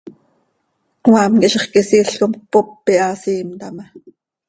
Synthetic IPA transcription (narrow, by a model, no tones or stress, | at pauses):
wɑːmkiʔʃeχkesiːɬkomk̚popːiʔɑːsiːmt̪ɑmɑ